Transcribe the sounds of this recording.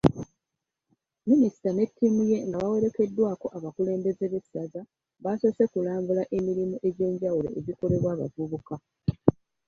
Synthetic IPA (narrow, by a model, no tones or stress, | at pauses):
minisi̥tane̞tːimuje̞ŋɡaβawe̞ɾe̞ke̞dːwaːko̞ʔaβakule̞ːmbe̞ze̞βe̞saza | βaso̞se̞kulaːmbulaʔe̞miɾimuʔe̞ɟe̞ːɲɟawulo̞̰ʔezikole̞βwaːβa̰vuβuka